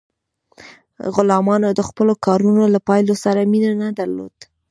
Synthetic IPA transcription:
ɣʊlɑmɑnod̪əxpəlokɑɾunolapɑjlosaɾaminanad̪aɾlo̰d̪̥

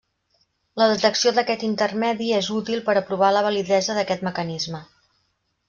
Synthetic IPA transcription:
ləðət̪əksioðəkɛt̪int̪ərmɛðiezut̪ilˠpəɾəpɾuβ̞aləβ̞əliðɛzəðəkɛt̪məkənizmə

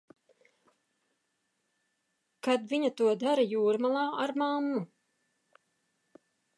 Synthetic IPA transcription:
kad̪viɲat̪uɔd̪aɾajuːɾmalˠaːʔaɾmamːu

